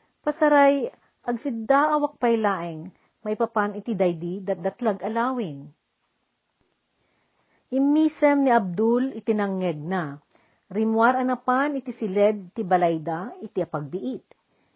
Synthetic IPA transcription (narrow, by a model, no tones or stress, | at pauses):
pɐsɐɾaj | ʔɐɡsɪd̪aːʔawɐk̚pɐjlaːʔɪŋ | mɐʔjpɐpanɪt̪id̪ɐjd̪id̪ɐt̪̚d̪ɐt̪laɡɐlaːwɪŋ | ʔɪmiːsɛmnɪʔɐb̚d̪ulɪt̪ɪnɐŋːɛɡ̚na | ɾɪmwaɾɐnɐpanɪt̪isɪlɛd̪̚t̪ɪbɐlajd̪aɪt̪iɐpɐɡ̚bɪʔit̪̚